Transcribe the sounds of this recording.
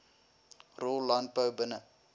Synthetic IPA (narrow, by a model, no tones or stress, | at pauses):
rollant̚pəwbənə